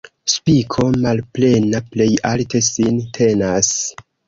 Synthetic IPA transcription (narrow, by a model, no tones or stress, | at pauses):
spikʰo̞malple̞naple̞jalte̞sintʰe̞nas